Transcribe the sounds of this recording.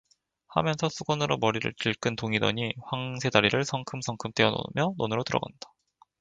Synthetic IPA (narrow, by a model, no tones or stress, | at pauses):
ha̰mjʌnsʰʌsʰuɡwʌnɯɾomʌɾiɾɯ̰ɭt͡ɕiɭk͈ɯntoŋidʌɲiɸwaŋsʰe̞daɾiɾɯɭsʰʌŋkʰɯmsʰʌŋkʰɯmt͈e̞ʌno̰mjʌnonɯɾotɯɾʌɡand̥ḁ